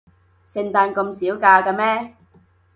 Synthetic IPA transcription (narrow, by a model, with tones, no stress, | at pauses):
sɪ˧ŋt̪aː˧nkɐ˧msiː˨˥wkaː˧ka˧mɛː˥